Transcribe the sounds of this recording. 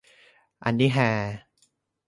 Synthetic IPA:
ʔa̰˧ndi˦˥ɦɛː˧

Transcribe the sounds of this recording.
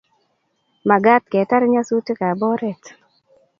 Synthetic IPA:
ma˨ɡa˦t̚kɛ˨ta˦ɾɲa˦su˦tɪ˦ka˨bɔ˦ɾɛ˦t

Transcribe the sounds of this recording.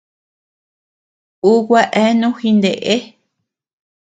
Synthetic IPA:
u˦kʷa˦ʔe˦nũ˦xi˧nd̪e˨ʔe˦

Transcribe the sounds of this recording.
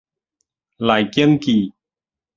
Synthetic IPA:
la˨˩˨jki˦˥nkiː˨˩

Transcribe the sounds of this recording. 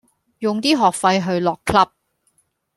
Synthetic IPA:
jʊ˨˩ŋt̪iː˥ɦɔː˨˩k̚fɐ˧jɦɵ˧ɥlɔː˨˩kʰlɐ˥p̚

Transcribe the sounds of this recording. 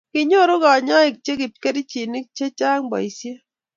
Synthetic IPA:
ki˨ɲo˦ɾu˦ka˨ɲa˦i˨k̚t͡ʃe˦ki˨t̚kɛ˦ɾi˦t͡ʃi˨ni˦k̚t͡ʃe˦t͡ʃa˦ŋbɔ̰˨i˨sje˦

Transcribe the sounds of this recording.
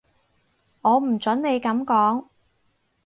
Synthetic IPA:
ŋɔː˨˧m̩˨˩t͡sɐ˨˥nne˨˧jkɐ˨˧˥mkɔː˨˥ŋ

